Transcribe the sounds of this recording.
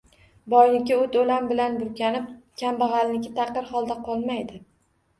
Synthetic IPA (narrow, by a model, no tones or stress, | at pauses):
bɒjlɪkʲɪot̪olambɪlanbʊɾkʲʰanɪp̚kʲʰambɑʁɑlnɪkʲɪt̪ʰɑqːɨɾχɒlˠd̪aqʰɒlˠmajd̪ɪ